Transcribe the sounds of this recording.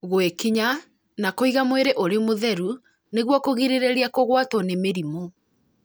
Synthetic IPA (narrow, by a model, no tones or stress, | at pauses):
ɣwekiɲa | nakoiɣamweɾeʔoɾemoðɛɾu | neɣwɔkoɣiɾeɾeɾiakoɣwatɔnemeɾimo